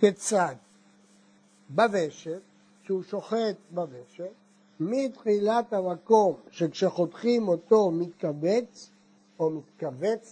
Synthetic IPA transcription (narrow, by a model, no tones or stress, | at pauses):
ket͡sat̪ | bave̞ʃet | ʃeuʃo̞χet̪̚baveʃet | mit̪χilat̪hamako̞mʃekʃeχo̞t̪χimo̞t̪o̞mit̪̚kavet͡s | omit̪kavet͡s